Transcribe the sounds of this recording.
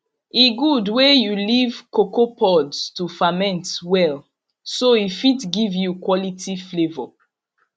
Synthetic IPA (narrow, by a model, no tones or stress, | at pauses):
iɡudwejulivkokopʰɔdstufamɛ̃ntwɛl | soifitɡivjukwɔlitiflevɔ